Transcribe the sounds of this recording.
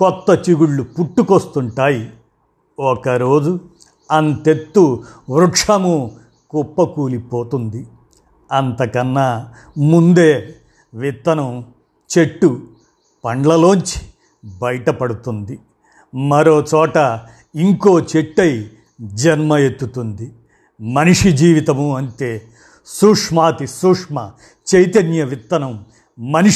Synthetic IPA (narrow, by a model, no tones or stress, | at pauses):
kɔt̪ːɐt͡ʃiɡuɭːupuʈːukost̪uɳʈaːji | okɐɾo̞ːd͡ʒu | ɐnt̪e̞t̪ːuʋɾukʂɐmu | kupːɐkuːlipoːt̪und̪i | ɐnt̪ɐkɐnːɐ | mund̪e̞ː | ʋit̪ːɐnɐm | t͡ʃe̞ʈːu | pɐɳɖɭɐlo̞ːɲt͡ʃi̥ | bɐjɐʈɐpɐɽut̪und̪i | mɐɾo̞ːt͡ʃɔːʈɐ | iŋko̞ːt͡ʃeʈːɐj | d͡ʒɐnmɐjet̪ːut̪und̪i | mɐniʂid͡ʒiːʋit̪ɐmuɐnt̪e̞ː | suːkʂmaːt̪isuːkʂmɐ | t͡ʃejt̪ɐnjɐʋit̪ːɐnɐmː | ɐni